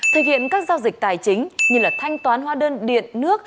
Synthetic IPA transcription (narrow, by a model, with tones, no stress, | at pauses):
t̪ʰɨ˨˩hḭ˧˨ənkaː˦˥k̚zaː˧wzi˨˩k̚t̪aː˨˩jt͡ɕï˨˦ŋ̟ɲɨ˧laː˨˩t̪ʰa˧jŋ̟t̪waː˨˦nɦwaː˧ɗəː˧nɗḭ˧˨ənːɨ˦˥ək̚